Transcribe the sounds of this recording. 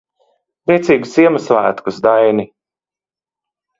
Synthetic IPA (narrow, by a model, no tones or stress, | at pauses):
biɛt̪sʲiːɡusiɛmasvæːt̪kusd̪ajni